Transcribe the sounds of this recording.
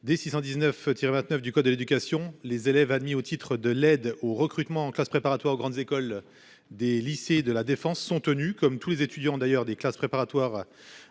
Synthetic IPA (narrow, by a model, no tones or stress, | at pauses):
d̪esisɑ̃d̪iznœft̪iʁevɛ̃t̪nœfd̪ykɔd̪ːəled̪ykʲasjɔ̃lezelɛvad̪miot̪ʰit̪χəd̪əlɛd̪oʁəkχyt̪mɑ̃ːklaspχepaʁat̪waʁoɡʁɑ̃d̪zekɔl | d̪elised̪əlad̪efɑ̃sːɔ̃t̪ənykɔmt̪ulezet̪yd̪jɑ̃d̪ajœʁd̪eklaspχepaʁat̪waʁ